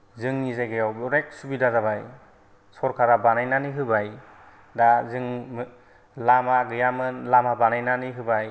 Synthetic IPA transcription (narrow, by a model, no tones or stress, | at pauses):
zɯŋnizajɡɯjawbɔɾek̚subidazabaj | sɔɾkʰaɾabanajnaniɦɯbaj | dazɯŋ | lamaɡɯjamɯnlamabanajnaniɦɯbaj